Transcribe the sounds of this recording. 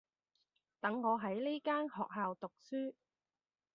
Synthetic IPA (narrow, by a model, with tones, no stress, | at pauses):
t̪ɐ˨˥ŋːɔː˨˧ɦɐ˨˥jle˥kaː˥nhɔː˨k̚ɦaː˨wt̪ʊ˨k̚syː˥